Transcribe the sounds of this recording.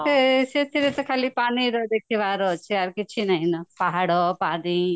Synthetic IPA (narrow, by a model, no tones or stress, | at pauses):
eset̪ʰiɾet̪ɔkʰalipaniɾɔd̪ekʰiʋaɾɔt͡ʃʰiaɾkɪt͡ʃʰinaɦĩnɔpaɦaɽɔpani